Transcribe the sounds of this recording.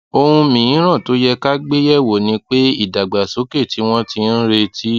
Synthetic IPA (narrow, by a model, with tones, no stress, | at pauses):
o˧hũ˧mĩ˨ĩ˨˦ɾ̃ã˦˨to˨˦jɛ˧ka˦ɡ͡be˦jɛ˦wo˨nĩ˧˦k͡pe˦i˦˨da˨ɡ͡ba˨so˨˦ke˦˨ti˨˦w̃ɔ̃˦ti˧n̩˦ɾe˧tʰi˦